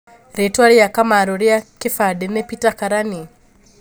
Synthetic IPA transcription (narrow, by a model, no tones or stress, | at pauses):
ɾetwaɾijakamaɾoɾjakifadenepitakaɾani